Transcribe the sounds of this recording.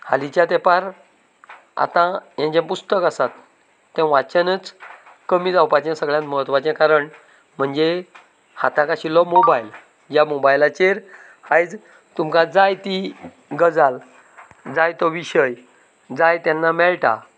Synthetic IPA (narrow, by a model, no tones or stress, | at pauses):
halit͡ɕjat̪ɛpaɾ | a̰t̪ãjãt͡ɕɛ̃pust̪əkasat̪ː | ɛ̃ʋat͡ɕənət͡s | kəmid͡zawpat͡ɕãsəɡɭjãt̪məɦət̪ʋat͡ɕɛ̃kaɾəɳ | m̤əɳd͡ze | hat̪ãkaɕilɔmobajl | d͡ʑamobajlat͡ɕeɾ | hajd͡z | t̪umkad͡zajt̪i | ɡəd͡zal | d͡zajt̪ɔʋiɕəj | d͡zajt̪janːamɛɭʈa̰